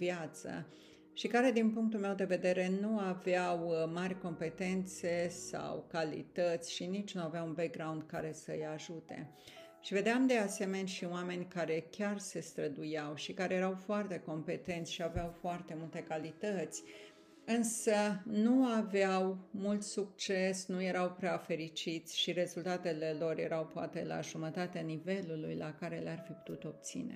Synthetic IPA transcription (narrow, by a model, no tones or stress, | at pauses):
vjat̪sə̰ | ʃikaɾe̞d̪inpuŋk̚t̪ulme̞wd̪e̞ve̞d̪e̞ɾe̞nuaveawmaɾʲko̞mpe̞t̪e̞nt̪se̞sa̰wkalḭt̪ət̪sʲʃinit͡ʃʲnuaveawunbek̚ɡɾawnd̪̚kaɾe̞səjaʒut̪e̞̰ | ʃive̞d̪eamd̪e̞ase̞me̞nʲʃioame̞nʲkaɾe̞kʲarse̞st̪ɾəd̪ujawʃikaɾe̞jeɾawfoart̪e̞ko̞mpe̞t̪e̞nt̪sʲʃiaveawfoart̪e̞mult̪e̞kalit̪ət̪sʲ | ɨnsənuaveawmult̪suk̚t͡ʃe̞snuje̞ɾawpɾeafe̞ɾit͡ʃit̪sʲʃiɾe̞zult̪at̪e̞le̞lo̞rje̞̰ɾawpoat̪e̞la̰ʒumət̪at̪eanive̞lulujlakaɾe̞learfipu̥t̪ut̪o̞b̚t̪sḭnḛ